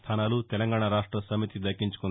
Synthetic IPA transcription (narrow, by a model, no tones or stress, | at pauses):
t̪ʰaːnaːlut̪ɛlɐŋɡaːɳaɾaːʂʈɾɐsɐmit̪id̪ɐkːiɲt͡ʃu̥kun